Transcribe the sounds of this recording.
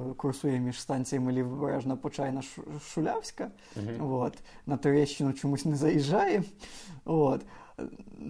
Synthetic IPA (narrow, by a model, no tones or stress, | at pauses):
kʊrsujɛmʲɪʂst̪ant̪sɨjəmɨlʲibbɾa̰ʐnɐpʊt͡ʂajnɐʂʂʊlʲawsʲkə | vot̪nɐt̪ʊɾʲeɕːɪnʊt͡ɕʊmusʲnɨzɐjɪʐːajɪ | vot̪